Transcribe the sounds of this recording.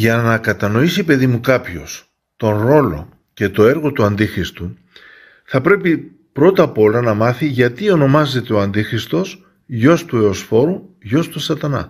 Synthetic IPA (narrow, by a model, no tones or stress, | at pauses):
ʝɐnɐkɐt̪ɐno̞isipe̞ðimukɐpço̞̰s | t̪o̞nɾo̞lo̞̰ | ce̞t̪o̞e̞ɾɣo̞t̪uɐnd̪ixɾist̪u | θɐpɾe̞pi | pɾo̞t̪ɐpo̞lɐnɐmɐθiʝɐt̪io̞no̞mɐze̞t̪e̞oɐnd̪ixɾist̪o̞s | ʝo̞st̪ue̞o̞sfo̞ɾuʝo̞st̪usɐt̪ɐnɐ̰